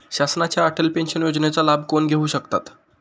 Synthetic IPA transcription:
ɕasnat͡ɕjaːʈʰəlpenɕənjod͡ʑnet͡salabkonɡʱeuːɕəkt̪at̪

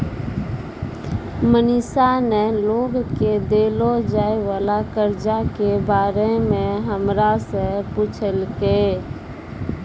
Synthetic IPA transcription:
mənɪsaneloːɡked̪eːlod͡ʒaːeʋaːlakəɾd͡ʒakebaːɾemẽɦəmɾasəput͡ʃʰəlke

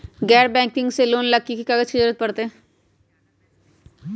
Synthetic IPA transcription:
ɡɛːɾbɛ̃ːŋkɪ̃ŋɡseloːnləkːikikaɡəʃɪd͡ʒəɾət̪̚pəɾt̪eɛ̃

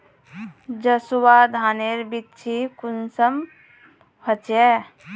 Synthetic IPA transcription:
d͡ʒəsuwad̪ʱaːneɾbitːt͡ʃʰikunsəm | hʰət͡ʃɛ

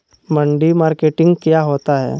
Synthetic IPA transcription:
mə̃ɳɖimaːɾkeːʈɪ̃ŋɡkjaɦoːt̪aɦɛ̰ː

